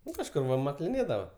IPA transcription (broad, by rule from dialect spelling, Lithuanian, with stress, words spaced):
ˈnʊ kɐʃˈkʊr ʋɐ mɐklʲɪˈnʲeːdɐʋɐ